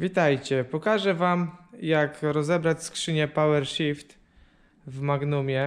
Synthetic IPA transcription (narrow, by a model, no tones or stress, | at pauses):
vʲit̪ajt͡ɕɛpɔkaʐɛvamjakɾɔzɛbɾat͡ɕskʂɘɲɛpawɛɾɕift̪ | vmaɡnumʲjɛ